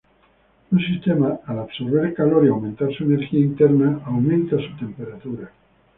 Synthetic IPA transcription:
unsist̪emaalaβso̞ɾβ̞eɾkaloɾiawmẽnt̪aɾsuene̞ɾxiaint̪eɾnaawmẽnt̪asut̪e̞mpeɾat̪uɾa

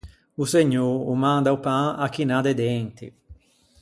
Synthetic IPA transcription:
useɲːoːɾumãnd̪aupãakːinad̪ed̪ɛnt̪ḭ

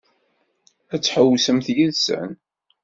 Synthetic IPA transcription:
æt͡sːħəwːsəmθjiðsæ̰n

